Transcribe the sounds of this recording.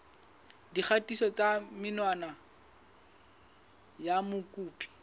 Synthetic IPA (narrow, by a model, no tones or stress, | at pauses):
dik͡xʰatisɔt͡samɪnwana | jamʊkʼuːpʼi̥